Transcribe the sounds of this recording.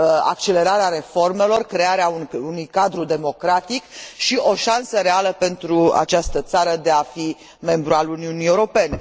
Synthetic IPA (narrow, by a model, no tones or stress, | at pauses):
a̰k̚t͡ʃe̞le̞ɾaɾeaɾe̞fo̞rme̞lo̞rkɾe̞aɾeauunujkad̪ɾud̪e̞mo̞kɾat̪ikʃio̞ʃansəɾe̞aləpe̞nt̪ɾua̰t͡ʃast̪ət̪saɾəd̪e̞afi | me̞mbɾualuniuniewɾo̞pe̞ne̞